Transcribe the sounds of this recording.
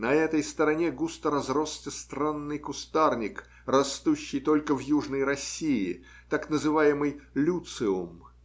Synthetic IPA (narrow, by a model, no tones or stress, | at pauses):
nɐɛt̪əjst̪əɾɐnʲeɡust̪əɾɐzrostʲɪst̪ɾanːɨjkʊst̪arnʲɪk | rɐst̪uɕːɪjt̪o̞lʲkəvjuʐnəjɾɐsʲːiɪ | t̪aknəzɨvajɪmɨjlʲut̪sɨʊm